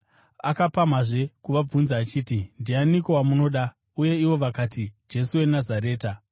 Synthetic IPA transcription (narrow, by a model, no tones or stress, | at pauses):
akapamaʐe̞kuʋab͡vunzaːt͡ʃiːtindianikowamuno̞ɗa | uje̞iwo̞ʋakatid͡ʒe̞suwe̞nazaɾe̞ːta